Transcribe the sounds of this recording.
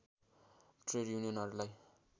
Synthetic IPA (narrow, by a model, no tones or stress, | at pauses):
ʈreɽjunijʌnɦʌɾulaj